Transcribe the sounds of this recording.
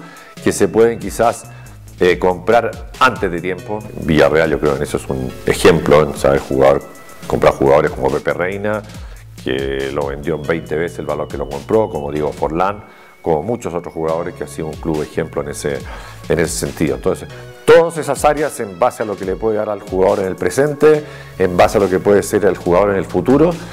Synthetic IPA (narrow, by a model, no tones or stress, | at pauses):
kesepweðeŋkisas | eko̞mpɾaɾant̪ezðet̪je̞mpobiʝa̰realʝo̞kɾeokenesoesunexemploensa̰βeɾxṵɣa̰ðoɾ | kompɾaɾxuɣaðo̞ɾesko̞mopeperejna | kḛloβe̞̰nd̪jombejnt̪eβeseselβalo̞ɾkeloko̞mpɾokomoðjeɣofoɾlaŋ | ko̞mo̞mut͡ʃosot̪ɾosxuɣaðo̞ɾeskeansiðouŋkluβexemploenese | enese̥se̞nt̪iðont̪onses | t̪oðose̞sasaɾjasembasealokelepweðeðaɾalxuɣaðo̞ɾenelpɾese̞nt̪eː | mbasealo̞kepweðeseɾelxuɣaðo̞ɾenelfut̪uɾo